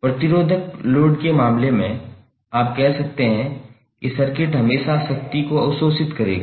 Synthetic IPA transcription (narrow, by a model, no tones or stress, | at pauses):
pɾɐt̪ɪɾoːd̪ʱəkloːɖkemaːmlemẽ | aːp̚kɛɦsɐk̚t̪eɦɛ̃ | kisɐɾkɪʈɦɐmeːʃaʃɐk̚t̪ikoɐwsoːsɪt̪kɐɾḛːɡaː